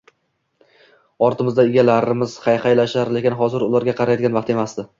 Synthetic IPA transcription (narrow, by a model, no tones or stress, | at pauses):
ɒɾt̪ʰɪmɪzd̪aɪɡʲalaɾɪmɪz̥χɑjχɑjlaʃaɾle̞kʲɪnɦɒzɪɾʊlaɾɡʲaqʰɑɾajɒd̪ɪanvɑq̚t̪e̞masd̪ɪ